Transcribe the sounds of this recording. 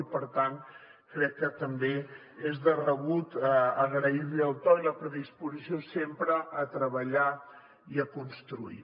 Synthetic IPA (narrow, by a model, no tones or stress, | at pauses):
ipəɾt̪an | kɾɛkːət̪əmbe | ezðərəβut̪əɣɾəiɾliəlˠt̪ɔiləpɾəðispuzisiosempɾəʔːt̪ɾəβəʎa | iəkunst̪ɾuḭ